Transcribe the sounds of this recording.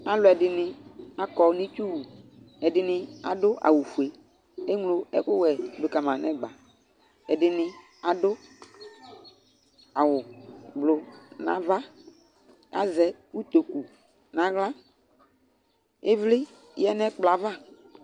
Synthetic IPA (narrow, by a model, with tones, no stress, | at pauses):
a˦lʊ˨ɛ˨dɪ˨nɪ˨a˦kɔ˨˦nĩ˦t͡ʃu˦wu˨ | ɛ˨dɪ˨nɪ˨a̰˦dʊ˦a̰˨wu˨fu˨e˨ | e˦ŋlo˨ɛ̰˦kʊ˦wɛ˨dʊ˨ka˨mã˨nɛ˦ɡ͡ba˨ | ɛ˨dɪ˨nɪ˨ | a˨dʊ˦ | a˨wʊ˨blʊ˨nã̰˨va˦ | a̰˦zɛ˨u˦t̪o˨ku˨ | nã˨ɣla˦ | e˦vlɪ˦ | jɛ˦nɛ˦k͡pla˨va˦